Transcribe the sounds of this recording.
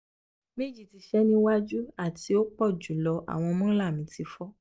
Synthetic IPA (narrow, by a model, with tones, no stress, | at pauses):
mẽ˦d͡ʒi˦˨ti˨˧˦ʃɛ˦nĩ˦wa˦d͡ʒu˦a˦˨ti˧o˦k͡pɔ˦˨d͡ʒu˨˦lɔ˧ʔa̰˨w̃ɔ̃˧mɔ̃˦la˦˨mĩ˨˦ti˧fɔ˦